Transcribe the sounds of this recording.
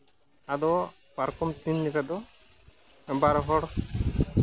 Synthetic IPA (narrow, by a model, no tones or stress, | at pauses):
ad̪ɔ | paɾkɔmt̪inlikad̪ɔ | baɾɦɔɽ